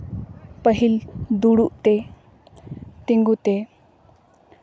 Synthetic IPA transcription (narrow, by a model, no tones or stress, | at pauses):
pəɦild̪uɽuʔt̪ɛ | t̪iŋɡut̪e